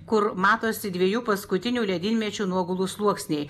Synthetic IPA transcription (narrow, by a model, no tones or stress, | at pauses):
kʊɾmɑːt̪oːsʲɪd̪ʲʋʲiɛjuːpɐskʊt̪ʲɪnʲuːlʲɛd̪ʲɪnʲmʲɛt͡ʃʲuːnuɔɡʊlˠuslˠuɔksʲnʲɛɪ